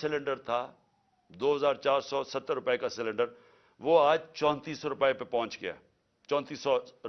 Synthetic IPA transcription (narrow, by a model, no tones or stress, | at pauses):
sɪlə̃ɳɖəɾt̪ʰaː | d̪oːɦəzaːɾt͡ʃaːɾsɔːsət̪ːəɾʊpekasɪlə̃ɳɖəɾ | ʋoːaːd͡ʒt͡ʃɔ̃ːnt̪iːsɔːɾʊpːepepɔ̃ɦʊ̃nt͡ʃɡɪja̰ː | t͡ʃɔ̃ːnt̪iːsːɔ